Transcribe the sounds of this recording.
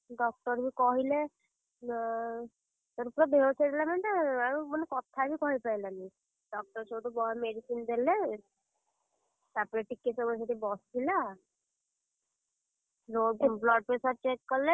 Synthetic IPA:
ɖɔk̚ʈɔɾbʱikɔɦile | t̪ɔɾupɾɔbʱeot͡ʃʰed̪lamenʈ̪aamənekɔt̪ʰːabʱikɔɦipajlani | ɖɔk̚ʈɔɾt͡ʃʰoʈubɔmeɖisind̪ele | sapɾeʈikːesɔmɔseʈ̪ibɔst̪ʰila | lomblɔʈ̚pesaɾ̚t͡ʃekːɔɾle

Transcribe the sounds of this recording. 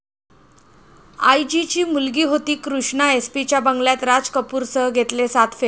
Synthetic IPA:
a̰jd͡ʑit͡ɕiːmulɡiːɦot̪iːkɾuʂɳaespit͡ɕjabəŋɡljat̪ɾad͡zkəpuːɾsəɦɡʱet̪lesat̪ʰfe

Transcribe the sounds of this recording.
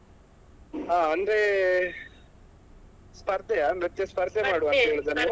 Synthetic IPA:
aːɐnd̪ɾe | spɐɾt̪ejamet̪ːjespɐɾt̪emaːɽuɐnt̪ɐɦeːɭt̪ɐne

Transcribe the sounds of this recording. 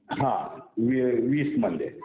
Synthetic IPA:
ɦãʋiʋiːsmɐnd̪e

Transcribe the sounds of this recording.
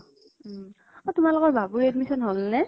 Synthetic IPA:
ɔtumalʊkɔɹbabuɹɛdmisɔnɦolnɛ

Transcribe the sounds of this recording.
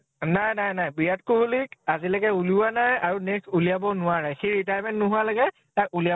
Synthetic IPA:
najnajnajbijatkuɦulikazilaɡɛuluwanajaɹuneksulijabɔnʊwaɹaxejɹitajmɛ̃ntnʊɦʊalaɡɛ | takulija

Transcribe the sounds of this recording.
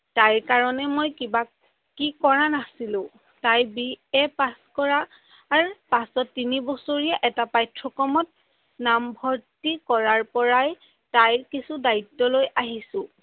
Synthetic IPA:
tajkaɹɔnɛmojkiba | kikɔɹanasilʊ̃ | tajbiɛpaskɔɹaː | ɹpasɔtːinibɔsoɹijaʔɛtapajtʰɹɔkɔmɔt̚ | nambʱɔɹtikɔɹaɹpɔɹaj | tajkisudaitːɔlojʔaɦisʊ̃

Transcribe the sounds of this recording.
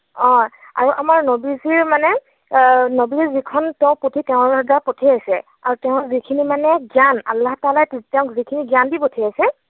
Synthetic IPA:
ɔ̃ | a̰ɹuʔamaɹnobiziɹmanɛ | nobizikʰɔntɛʊ̃potʰiteʊ̃dapotʰiasɛ | aɹuteʊ̃zikʰinimanɛɡjana̰lːahtalajttɛʊ̃kzikʰiniɡandipotʰiasɛ

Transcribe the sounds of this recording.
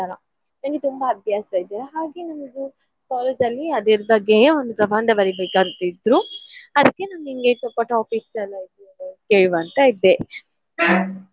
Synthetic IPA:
ana | nɐŋɡet̪umbɐːbʱjaːsɐid̪iːɾɐɦaːɡenɐmɐɡu | kaːlsɐlːiɐd̪eɾbɐɡːeond̪upɾɐbʱaːnd̪ɐbɐɾibeːkaːɡt̪id̪ɾuɐd̪ɐkːe̞nɐmɡuiŋɡet̪ɔpːɐʈaːpiksɐlːait̪uɐɐkeːɭuʋɐnt̪ɐid̪e

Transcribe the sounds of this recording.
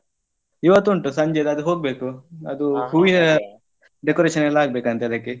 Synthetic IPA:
iʋɐt̪ːuɳʈusɐɲd͡ʒed̪ɐd̪uɦoːɡ̚beːkuɐ̰d̪uɦuːʋinɐ | ɖekoɾeːʃɐnɛlːɐaːɡbeːkɐnt̪eɐd̪ɐkːe

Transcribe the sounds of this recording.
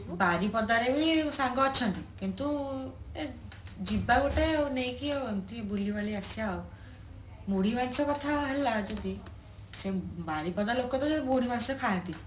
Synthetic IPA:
baɾipɔd̪aɾebisaŋɡɔːt͡ʃʰɔnt̪ikint̪ued͡ʒibaɡoʈewnejkiewemt̪ibulibaliasiao | muɽimansɔkɔt̪ʰaɦelad͡ʒed̪i | sebaɾipɔd̪alokɔt̪ɔd͡ʒed̪ibuɽimansɔkʰaant̪i

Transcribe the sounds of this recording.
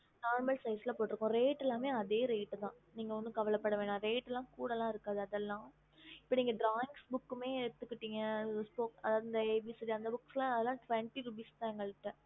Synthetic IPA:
naːɾmɐlsɐɪsɪlɐpoːʈːɪɾɯkːʊ̃ɾeːʈːɛlːãːmeːɐðeːɾeːʈːɯt̪ãː | niːŋɡɐɐnd̪ɯkɐʋɐlɐpːɐɽɐʋeːɳãɾeːʈːɛlːãːkuːɽɐlãːɪɾɯkːaːðɯɐðɛlːãː | ɪpːoːniːŋɡɐɖɾaːɪŋsbʊkːɯmeːɪɽɯt̪ːɯkːɪʈːiːŋɡɐspoːkɐðaːʋðɯɪnd̪ɐeːbiːsɪliɐnd̪ɐbʊkːsɛlãɐðɛlːãːʈʋɛɳʈiɾubiːst̪aːŋɡɐɭʈːɛ̃

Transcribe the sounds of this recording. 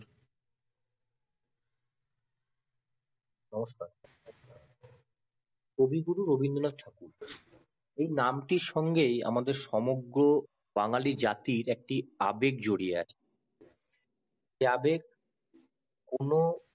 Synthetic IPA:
nɔmoʃkaɾ | kobʱiɡuɾuɾobʱind̪olad͡ʑʈʰakuɾ | ejnamʈiɾʃɔŋɡeja̰mad̪eɾʃɔmoɡɾo | baŋalid͡ʑat̪iɾɛk̚ʈia̰bek̚d͡ʑoɽiea̰t͡ɕʰe̥ | eabeɡ̚ | kono

